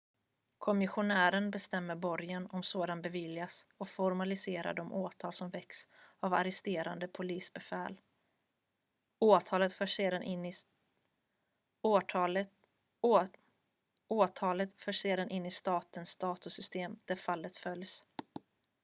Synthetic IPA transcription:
kʰɔmɪɧʊnæːɾənbɛst̪ɛmːəɾbɔɾjənɔmsoːd̪anbɛvɪljasɔfɔɾmalɪseːɾa̰ɖɔmʔoːt̪ʰɑːlsɔmvɛksava̰ɾɛst̪eːɾand̪əpʰʊliːsbɛfɛːl | oːt̪ʰɑːlət̪fœʂd̪an | oːt̪ʰɑːlət̪fœːʂeːd̪anʔɪnːɪst̪ɑːt̪ənsd̪ɑːt̪ʊsʏst̪eːmd̪̥æɾfalːət̪fœljs

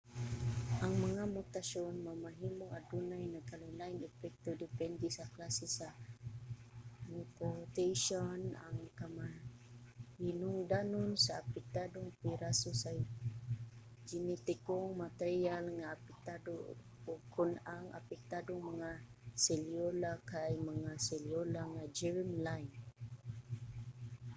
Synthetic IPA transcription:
ʔaŋmaŋamut̪aʃonmamaɦimoʔadunajnakalʊnajŋɛpɛk̚t̪odɪpɛndisaklasisa | nipoɾt̪eʃona̰ŋkama | hinʊŋd̪anʊnsaːpɛk̚t̪adoŋpiɾasosaj | d͡ʒinit̪ikɔŋmat̪eɾialŋaːpik̚t̪adu | ukʰunaŋa̰pɛk̚t̪aduŋməŋaseliolakajməŋaseliolaŋad͡ʒɛɹmlajn

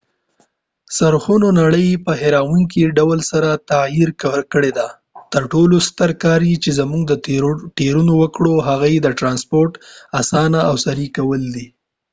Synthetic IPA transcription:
saɾxunonaɽəjpəɦeɾawuŋk̬iɖawəlsaɾat̪ajiɾkkəɽed̪a | t̪əɾʈolost̪əɾkɑɾjit͡ʃezamuŋɡd̪əʈeɾunowəkɽoɦaɣajed̪əʈɾɑnspoɾʈasɑnaawsaɾikawəld̪i

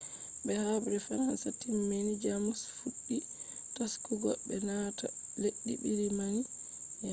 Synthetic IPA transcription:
bɛhabɾɛfaɾansatimːenid͡ʒamusfuɗːitaskuɡɔbɛnatɔleɗːḭbiɾimani | ja

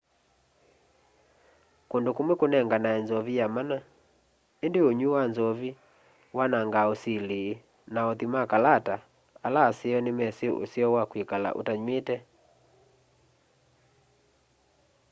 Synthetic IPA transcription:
kondokomwekonɛŋɡanaɛnzɔβijamana | endeoɲuwanzɔβi | wanaŋɡaosileː | naɔðimakalata | alaːseɔnemɛseo̰siɔwakwekala̰ʔo̰taɲwetɛ

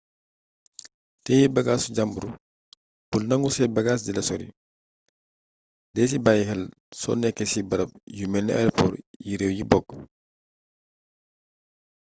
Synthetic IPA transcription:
tɛːjibɐɡaːsuɟambuɾu | b̥ulnɐŋɡusɛt̚bɐɡaːs̬dilɐsɔɾḭ | dɛs̬ibajxɛl | sɔ̰nɛkːɛsibɐɾɐp̚jumɛlnɛa̰jɾɔpɔ̰ːɾjiɾɛwjibɔɡ

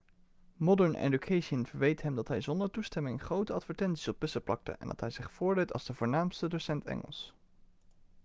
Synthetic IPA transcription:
mɔdəɹnʔḛdukʰejʃənvəɹʋejtɦɛmdɑtɦɛjzɔndəɹtustɛmɪŋχrowtəɑtfəɹtɛntsi̥sɔp̚ːɵsəplɑ̰k̚tə̰ʔɛ̰ndɑ̰tɦɛjzɪχfʊːɹdejtɑ̰lzdəvʊːɹnaːmstədosɛntɛ̰ŋə̰lˠs

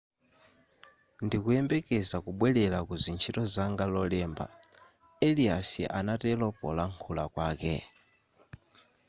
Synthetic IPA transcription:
ndikuɛmbɛkɛzakuɓwɛlɛlakuzint͡ʃʰitɔzaŋɡalɔlɛːmba̰ | ɛliasḭʔanatɛlɔpɔ̰laŋkʰulakwaːkɛ̰

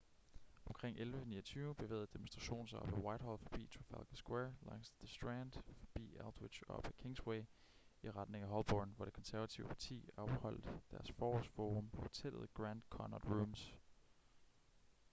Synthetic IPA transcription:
ɒ̽mkʰʁeŋ̰ʔelʋəniːɐt͡sʰyːʊb̥e̝ʋḛːð̩ˠd̥emonsd̥ʁɑ̈ɕo̝̰ːn̩s̬aɒ̽b̥æwɑ̈ɪd̥hɒ̰ːlfɒb̥ḭːt͡sʰofælɡ̥æsɡ̥wɛɐlɑ̰̈ŋ̰səsd̥ʁænd̥fɒ̽b̥ḭːæld̥we̥ɕɒb̥ækʰe̝ŋsweɪ | iʁɑ̈d̥ne̝ŋæɦɒ̽lb̥ɒːnʋɒɾ̥e̝̥kʰɒ̽nsæɐʋæt͡sʰiʊəpʰɑ̈t͡sʰḭːɒ̽b̥hɒ̽l̰d̥d̥æɐsfɒːɒsfoːʁɔmpʰɒ̽fɒt͡sʰel̰ð̩ˠɡ̥ʁænd̥kʰɒnɒd̥ʁums

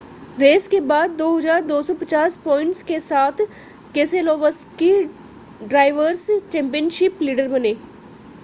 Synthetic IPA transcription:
ɾeːskebaːd̪̚ːoːɦɐd͡ʒaːɾd̪oːsɔpət͡ʃaːspɔːɪ̃ɳʈskesaːt̪ʰ | keːseloːʋəski | ɖɾaːɪʋəɾst͡ʃɛ̃ːmpijənʃɪpliːɖəɾbəneː

